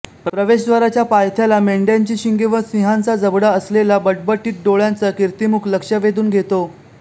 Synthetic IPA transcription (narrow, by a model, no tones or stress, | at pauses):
pɾəʋeɕd̪ʋaɾat͡ɕjapajt̪ʰjalameɳɖjaɲt͡ɕiːɕiŋɡeʋəɾsiɦant͡sad͡zəbɽaəslelabəʈ̚bəʈːiːʈ̚ɖoɭjant͡səkiɾt̪imukʰləkʂəʋed̪uːnɡʱet̪o